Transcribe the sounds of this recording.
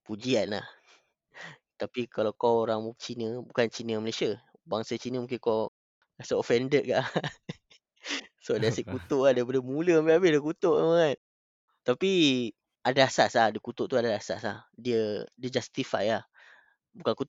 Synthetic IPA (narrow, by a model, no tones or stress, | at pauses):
pud͡ʒianla̰h | t̪apikalawkawoɾaŋt͡ʃinəbukant͡ʃinəməlesiə | baŋsət͡ʃinəmũŋkɪnkaw | kasəofɛndət̪̚kaʔ | saʔdiasəʔkut̪oʔadaip̬adəmuləabiabɪdiəkut̪oʔa̰maŋat̪̚ | t̪api | adaasaslahdikut̪oʔt̪uadaasa̰sla̰hdiədiəd͡ʒast̪ifa̰jah | bukanku